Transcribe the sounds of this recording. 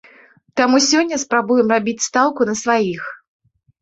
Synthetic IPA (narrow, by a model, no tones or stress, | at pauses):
t̪amusʲɔnʲːɐspɾabujɛmrabʲit͡sʲst̪alˠkʊnɐsvajix